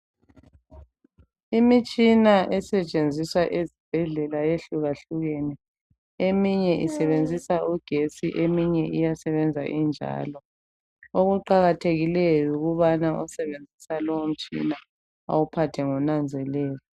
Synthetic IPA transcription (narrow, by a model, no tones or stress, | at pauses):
imit͡ʃʼinaʔɛsɛt͡ʃʼend͡zʱiswaʔezib̥ʱɛɮɛlajeɬuɣaɬuɣenɛ | emiɲɛʔisɛβend͡zʱisaʔuɡ̥ʱesiʔemiɲɛʔijasɛβɛnd͡zʱa̰ʔind͡ʒʱa̰ːlɔ | oɣuǃaɣatʰeɣilejuɣuβanaʔɔsɛβend͡zʱisalɔwom̩t͡ʃʼḭna | a̰wupʰatʰɛŋɔnand͡zʱɛlɛːjɔ